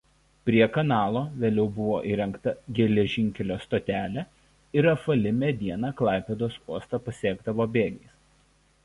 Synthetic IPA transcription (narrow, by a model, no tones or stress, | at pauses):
pʲɾʲiɛkɐnɑːlˠoːʋʲeːlʲɛʊbʊʋoːʔiːɾʲɛŋˑkt̪ɐɡʲɛlʲɛʒʲɪŋʲkʲɛlʲoːst̪oːt̪ʲæːlʲɛ | ɪɾɐfɐlʲɪmʲɛd̪ʲiɛnɑːklˠɑˑɪpʲɛd̪oːsuɔst̪ɑpɐsʲiɛɡd̪ɐʋoːbʲeːɡʲɛɪs